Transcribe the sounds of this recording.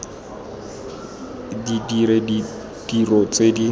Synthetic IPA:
didiɾedi | d̥irɔt͡sʼedi

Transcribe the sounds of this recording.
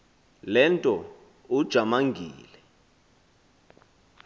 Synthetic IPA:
lɛntʼɔ | ud̥ʒ̥ʱamaŋɡʱiːlɛ

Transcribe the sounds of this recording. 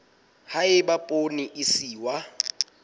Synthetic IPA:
haɪbapʼoniʔɪsiːwa

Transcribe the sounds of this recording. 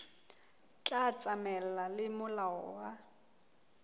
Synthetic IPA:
t͡ɬʼat͡sʼamɛl̩lalɪmʊlaɔwa

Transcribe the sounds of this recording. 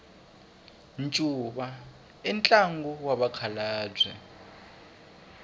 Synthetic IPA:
nt͡ʃʼuːɓa | ɛnt͡ɬʼaŋɡɔwaɓakʰalaːb͡ʐʱwɛ̰

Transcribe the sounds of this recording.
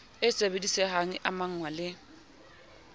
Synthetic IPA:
ɪt͡sʼebedisɛhaŋ̩ʔamaŋ̩ŋwalɪ

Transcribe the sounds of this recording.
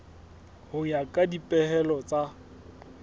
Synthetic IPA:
hʊɲakʼadipʼɛɦɛlɔt͡sʼa

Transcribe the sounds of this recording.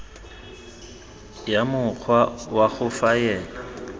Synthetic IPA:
jamʊk͡xʰwawaɣʊfajɛːla

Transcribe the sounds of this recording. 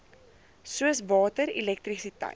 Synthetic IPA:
suəsvɑːtəɾilɛk̚trisitɛ̰j

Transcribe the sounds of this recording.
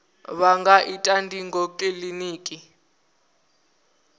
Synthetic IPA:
βaŋɡaʔitʼandʱiŋɡokʼiliniːkʼi

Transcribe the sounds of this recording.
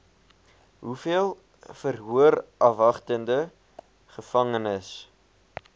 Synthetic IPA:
ɦufiəlˠ | fərɦuərʔɐfɐχtəndə | χəfɐŋənəs

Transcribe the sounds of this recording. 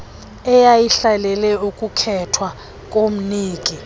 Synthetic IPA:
ɛjajiɬalɛlɛukʼukʰɛtʰwa | kʼom̩niːkʼi

